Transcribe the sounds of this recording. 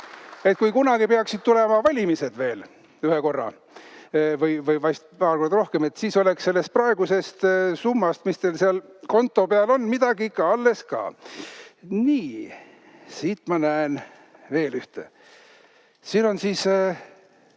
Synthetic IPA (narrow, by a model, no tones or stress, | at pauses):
e̞t̪̚kujkunɑɡ̥ipeɑksid̪̥̚t̪ule̞mɑvɑlʲimise̞d̪̥ve̞ːl | yheko̞rːɑ̰ | vɯjvɯjvɑjst̪̚pɑːlko̞rd̪ɑro̞hkeme̞t̪siːso̞leksse̞lːe̞st̪̚prɑe̞ɡ̥use̞st̪sumːɑst̪mist̪e̞lseɑlko̞nt̪ˑːo̞peɑlo̞nːmid̪̥ɑɡ̥iikːɑɑlːe̞skɑ̰ː | niː | siːt̪ˑmɑnæen | ve̞ːlyht̪ḛ | siːno̞nsiːs